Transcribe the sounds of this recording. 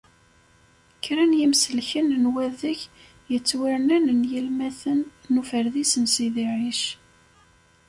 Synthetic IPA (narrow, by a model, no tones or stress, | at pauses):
kːɾænjimsəlçənnwæðəç | jət͡sːwiɾnænənjilmæθənːufəɾðisənsiðiʕiʃ